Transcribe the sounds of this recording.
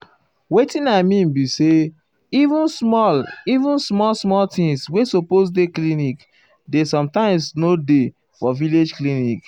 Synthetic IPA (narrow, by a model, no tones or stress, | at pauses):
wetĩnamĩm̩bise | ivũnsmɔlivũnsmɔlsmɔltĩŋswesopos̬deklinik | desɔ̃mtãɪ̃msnode | fɔviled͡ʒklinik